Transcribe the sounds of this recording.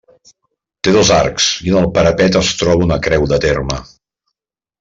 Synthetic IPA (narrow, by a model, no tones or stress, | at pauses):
t̪eðozarksiənəlˠpəɾəpɛt̪əst̪ɾɔβuunəkɾɛwðət̪ermə